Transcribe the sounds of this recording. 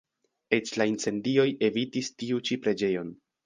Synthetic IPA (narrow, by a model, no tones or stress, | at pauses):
e̞t͡ʃlaint͡se̞ndio̞je̞vitistiut͡ʃipɾe̞d͡ʒe̞jo̞n